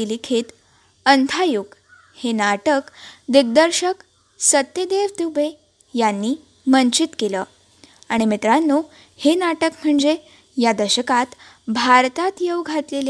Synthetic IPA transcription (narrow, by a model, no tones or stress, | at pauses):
ilikʰiːt̪ | ənt̪ʰajuɡ | henaʈəkd̪iɡ̚d̪əɾɕək | sət̪ːjəd̪eʋt̪ube | janːi | məɲt͡ɕit̪keləː | aɽ̃imit̪ɾanːu | henaʈəkm̤əɳd͡ze | jad̪əɕəkat̪ | bʱaɾt̪at̪jewɡʱat̪lelj